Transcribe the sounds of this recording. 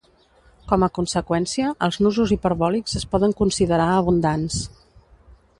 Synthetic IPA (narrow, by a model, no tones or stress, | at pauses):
kɔməkunsəkwɛnsiəʔəlˠznuzuzipəɾβɔlikzəspɔðəŋkunsiðəɾaəβ̞und̪ans